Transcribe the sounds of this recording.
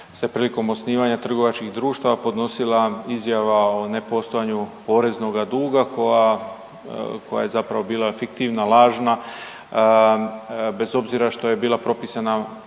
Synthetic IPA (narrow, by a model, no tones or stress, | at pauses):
sepɾiːliko̞mo̞sniːʋaɲat̪r̩ɡo̞ʋat͡ʃkixd̪ɾuːʃt̪aʋapo̞d̪no̞silˠaizjaʋao̞ne̞po̞st̪ojaɲupo̞ːɾe̞zno̞ɡad̪uːɡakoja | kʰo̞ja̰je̞zapɾaʋo̞biːlˠafikt̪iːʋnalˠaːʒna | be̞zo̞bziɾaʃt̪o̞je̞biːlˠapɾo̞pisana